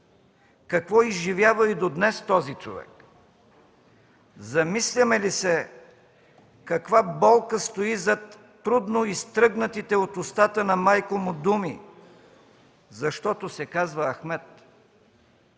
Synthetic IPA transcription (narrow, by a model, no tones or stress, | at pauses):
kɐkvɔizʒivjavəid̪od̪nɛst̪ɔzit͡ʃo̰vɛ̰k | zɐmislʲɐmɛlisɛ | kɐkvabɔlˠkəst̪oizɐt̪ː | ɾud̪noist̪ɾɤɡnɐt̪it̪ɛot̪ʊst̪at̪ənɐmajkomʊd̪umi | zɐʃt̪ɔt̪osɛkazvəːxmɛt̪